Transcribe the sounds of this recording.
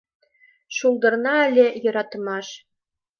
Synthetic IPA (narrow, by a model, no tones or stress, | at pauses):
ʃulˠd̪ɤ̆rnɑælʲejɤ̆ɾɑt̪mɑʃ